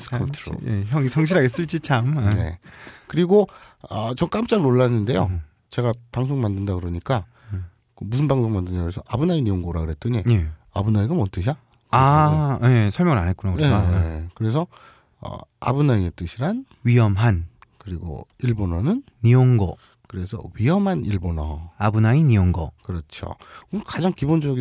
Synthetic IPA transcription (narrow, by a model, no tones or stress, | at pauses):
sʰɯ̥kʰʌntʰɯɾo̰eʌŋçjʌŋɕ̬ʰiɾaɡes͈ɯɭt͡ɕ͈it͡ɕʰamne̞̰kɯɾiɡo | ʌt͡ɕʌŋk͈amt͡ɕ͈aɡnoɭːanːɯnde̞jo | t͡ɕe̞ɡapaŋs̬ʰoŋmandɯndakɯɾʌɲik͈a | kɯmusʰɯnbaŋsʰoŋmandɯndakɯɾesʰʌʔabɯnainioŋɡoɾakɯɾet͈ɯɲeea̰bunaiɡamʌnt͈ɯɕ̬ʰa | kaje̞sʰʌɭmjʌŋɯɾanɦet̚kunakɯeaekɯɾe̞sʰʌ | ʌ̰a̰bɯnaiet͈ɯɕʰiɾan | ɥiɦʌmɦankɯɾiɡo̰iɭbonʌnɯnːioŋɡʌ̰ | kɯɾe̞sʰʌ̰ɥiɦʌmɦaniɭbonʌ̰abɯnainioŋɡʌ̰kɯɾʌt͡ɕʰo̰ɯkad͡ʑaŋkibond͡ʑʌɡi